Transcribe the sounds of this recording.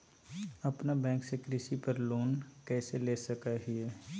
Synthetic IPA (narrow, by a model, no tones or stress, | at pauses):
ɐpnabɛ̃ːŋksekɾɪsipɐɾloːnkɛːseleːsɐkaɦɪɛː